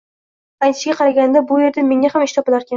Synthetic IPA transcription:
ajt̪ʰɪ̥ʃɡʲaqʰɑɾaɡʲand̪abʊje̞ɾd̪ame̞ŋʲahamɪʃt̪ʰɒpɪlaɾkʲan

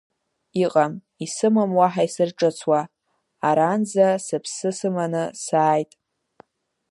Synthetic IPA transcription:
iqʼam | isɨmɨmwaħaisɨrʈ͡ʂʼɨt͡sʰwa | aɾand͡zasɨpʰsɨsɨmanɨsaːjtʼ

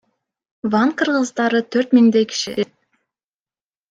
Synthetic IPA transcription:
vɑnqʰɯɾʁɯzd̪ɑɾɯt̪ʰøɾt̪miŋd̪ejkʲi̥ʃi

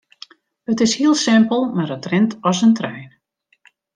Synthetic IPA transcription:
ətɪshiəlˠsɪmpəlˠmaɾətrɪntʰɔsəntrɛjn

